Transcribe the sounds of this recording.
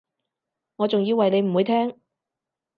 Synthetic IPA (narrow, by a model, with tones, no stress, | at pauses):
ŋɔː˨˧t͡sʊ˨ŋjiː˧wɐ˨jne˨˧jm̩˨˩wu˨˧t̪ʰɛː˥ŋ